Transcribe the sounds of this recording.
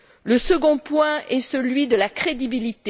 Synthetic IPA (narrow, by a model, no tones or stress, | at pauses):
ləsəɡɔ̃pwɛ̃ɛsəlɥid̪əlakχed̪ibilit̪e